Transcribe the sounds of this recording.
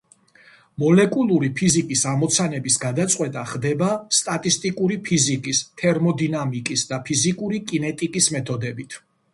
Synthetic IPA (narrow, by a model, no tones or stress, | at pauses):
mɔlɛkʼulˠuɾipʰizikʼisamɔt̪sʰanɛbisɡad̪at̪sʼqʼwɛt̪ʼaχd̪ɛbast̪ʼat̪ʼist̪ʼikʼuɾipʰizikʼist̪ʰɛɾmɔd̪inamikʼisd̪apʰizikʼuɾikʼinɛt̪ʼikʼismɛt̪ʰɔd̪ɛbit̪ʰ